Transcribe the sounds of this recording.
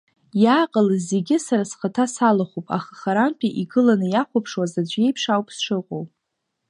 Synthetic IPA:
jaːqʼəlze̞ɡʲɪsaɾasχətʰasalaχʷupʼa̰χaχaɾanpʰiʔiɡɨlanɨjaχʷapʰʂwazad͡ʒʷe̞jpʰʂawpʰʼsʂɨqʷʼo̰wpʼ

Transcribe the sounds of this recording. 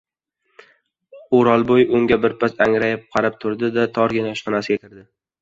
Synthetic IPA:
oɾɒlˠbojʊŋɡʲabɪɾpʰasaŋɾajɪp̚qʰɑɾap̚t̪ʰʊɾd̪ɪd̪at̪ʰɒɾɡʲɪnaɒʃqɒnasɪɡʲakʲʰɪɾd̪ɪ

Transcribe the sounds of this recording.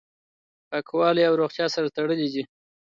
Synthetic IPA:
kɑkwɑleawɾoχt̪jɑsaɾat̪aɽəlid̪i

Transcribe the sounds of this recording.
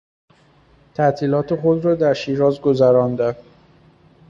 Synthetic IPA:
t̪ʰæt̪ʰiːlɒːt̪ʰeχod̪ɾɒːd̪æɾʃiːɾɒːzɡozæɾɒnd̪æ

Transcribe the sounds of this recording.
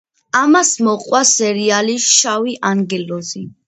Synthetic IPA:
amasmɔqʼwasɛɾialiʃawiʔaŋɡɛlɔzi

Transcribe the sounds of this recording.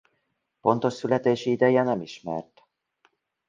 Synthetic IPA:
po̞n̪t̪o̞ʃsylɛt̪eːʃiid̪ɛjɛnɛmiʃmɛ̰rt̪

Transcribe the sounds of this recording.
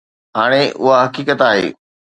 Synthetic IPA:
ɦaːɽ̃eʔʊɦaɦɐkiːkət̪aːɦḛː

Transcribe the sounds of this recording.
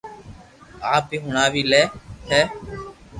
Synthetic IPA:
aːpiɦʊɳaːʋiːlɛːhɛː

